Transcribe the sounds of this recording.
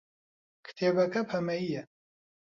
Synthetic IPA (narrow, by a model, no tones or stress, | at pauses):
kʰt̪ʰebɐkɐpʰhɐmɐijɛ